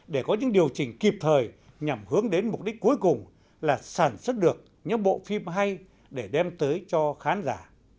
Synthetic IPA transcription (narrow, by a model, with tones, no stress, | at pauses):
ɗe˧˩kɔ˨˦ɲɨ̰˧˥ŋɗi˨˩əwt͡ɕï˨˩ŋ̟ki˨˩p̚t̪ʰəː˨˩j | ɲa˨˩mhɨ˨˦əŋɗe˨˦nmʊ˨˩k͡p̚ɗi˦˥k̟̚ku˨˦jkʊ˨˩ŋ͡m | laː˨˩saː˧˩nswə˦˥t̚ɗɨ˨˩ək̚ | ɲɨ̰˧˥ŋɓo̰˧˨fi˧mɦa˧j | ɗe˧˩ɗɛ˧mt̪əː˨˦jt͡ɕɔ˧xaː˨˦nzaː˧˩